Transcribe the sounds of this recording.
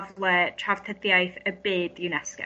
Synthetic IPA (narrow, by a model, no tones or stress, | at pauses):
vlˠətʰrav̥t̪ʰədjajθəbeːdjunɛskɛ̰